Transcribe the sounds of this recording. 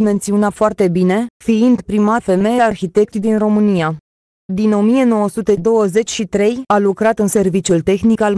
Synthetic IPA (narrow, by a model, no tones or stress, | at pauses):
me̞nt̪sionat̪foart̪e̞bine̞fiind̪pɾimafe̞me̞jearçit̪e̞k̚t̪id̪inro̞mɨnija | d̪ino̞mije̞no̞wəsut̪e̞d̪o̞wəze̞t͡ʃʲʃit̪ɾe̞jalukɾat̪ɨnse̞rvit͡ʃjult̪e̞xnikal